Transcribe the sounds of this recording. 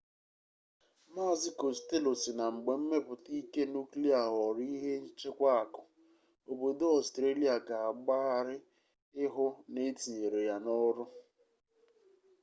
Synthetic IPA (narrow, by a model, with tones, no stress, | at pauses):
ma˦zɪ˦ko˨ste˦lo˨si˨na˨ŋ͡m̩˨ɡ͡be˨m̩˦me˦pʊ˨ti˦ke˦nu˦kli˦a˨ɦɔ˨ɾi˦ɦe˦n̩˦t͡ʃɪ˦kʷa˦a˨kʊ˨ | o˨bo˨do˦ɔ˨stɾe˦li˨˦a˨ka˨a˨ɡ͡ba˦a˨ɾɪ˦ | ɪ˦ɦʊ˦ne˦ti˨ɲe˨ɾe˨ja˦nɔ˦ɾʊ˦